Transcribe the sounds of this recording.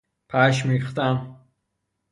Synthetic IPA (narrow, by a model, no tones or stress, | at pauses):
pʰæʃmiχt̪æn